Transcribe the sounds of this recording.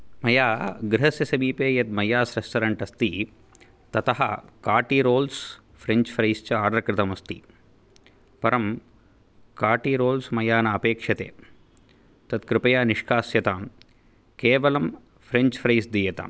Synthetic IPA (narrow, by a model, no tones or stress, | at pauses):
mɐjaːɡɾɪɦɐsjɐsɐmiːpeːjɐt̪̚mɐjaːsɾɐst̪ɐɾɐɳʈɐst̪i | t̪ɐt̪ɐɦɐ̰kaːʈiɾoːls | fʰɾeɲt͡ʃfʰɾɐjst͡ʃɐaːɾɾɐkɾɪt̪ɐmɐst̪i | pɐɾɐm | kaːʈiɾoːlsmɐjaːnɐɐpeːkʂɐt̪ḛː | t̪ɐt̪kɾɪpɐjaːniʂkaːsjɐt̪aːm | keːʋɐlɐm | fʰɾeɲt͡ʃfʰɾɐjsd̪iːjɐt̪a̰